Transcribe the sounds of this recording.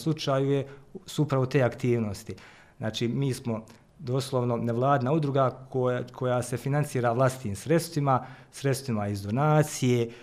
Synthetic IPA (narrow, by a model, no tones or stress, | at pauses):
slˠut͡ʃaːjujesuupɾaʋot̪e̞ːakt̪iːʋnost̪i | znʔa̰ːt͡ʃiːmiːsmo̞ | d̪oslˠoʋno̞neʋlˠaːd̪naud̪ɾuɡakʰo̞jasefinant̪siːɾaʋlˠast̪i̥t̪iːmsɾe̞t̪st̪ʋimasɾe̞t̪st̪ʋimaizd̪o̞naːt̪sije